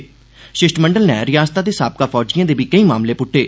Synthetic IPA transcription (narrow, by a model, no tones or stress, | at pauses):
ʃɪʃʈməɳɖəlnɛ̰ːɾɪjaːst̪aːd̪eːsaːp̚kaːpʰɔːd͡ʒijãːd̪eːbʱiːkəĩːmaːmleːpʊʈʰːeː